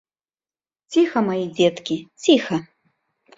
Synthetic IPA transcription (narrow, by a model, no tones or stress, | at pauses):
t͡sʲixɐmɐjid͡zʲet̪kʲit͡sʲixɐ